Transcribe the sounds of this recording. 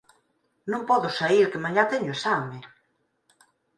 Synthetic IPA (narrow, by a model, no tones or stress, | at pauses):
nõmpɔðʊsaiɾkemaɲat̪ɛɲʊesamɪ